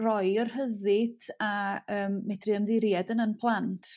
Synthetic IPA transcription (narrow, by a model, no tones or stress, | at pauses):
rɔjərhəðɪdaəːmːɛtʰrɨəmðɪɾjadənənpʰlˠantʰ